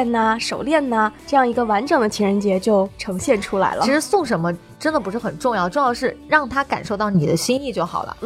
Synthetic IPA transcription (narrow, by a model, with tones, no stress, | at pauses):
nnə˩ʂo˨˩ʊljɛ˥˩nna˩ʈ͡ʂɤ˥˧jɑ˥˩ŋi˧˥ɡə˧wa˧˥nʈ͡ʂɤ˨˩ŋd̪ə˦t͡ɕʰɛ˧˥ɻə˧˥nt͡ɕjɛ˧˥t͡ɕjo˥˩ʊʈ͡ʂʰɤ˧˥ŋɕjɛ˥˩nʈ͡ʂʰu˥la̰˧˥ɪlʔə˧˥ʂɻ̩˧˥sʊ˥˩ŋʂə˧˥nmə˧ | ʈ͡ʂə˥nd̪ə˨˩pu˧˥ʂɻ̩˥˩xə˨˩nʈ͡ʂʊ˥˧ŋjɑ˥˧ʊʈ͡ʂʊ˥˧jɑ˥˧ʊʂɻ̩˥˧ɻɑ˥˩ŋt̪ʰa˥ka̰˨˩nʂo˥˧ʊt̪ɑ˥˩ʊni˨˩d̪ə˦ɕi˥ŋi˥˧t͡ɕjo˥˩ʊxɑ̰˨˩ʊlə̰˦